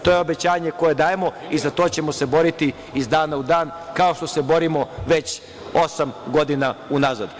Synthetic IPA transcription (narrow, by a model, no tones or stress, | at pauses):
t̪oje̞obe̞t͡ɕaːɲe̞ko̞je̞d̪aːjemo̞ | izat̪o̞ːt͡ɕe̞mo̞se̞bo̞ɾit̪i | izd̪aːnaud̪aːnkao̞ʃt̪o̞se̞bo̞ɾimo̞ʋe̞t͡ɕ | o̞samɡo̞d̪inaunaza̰d̪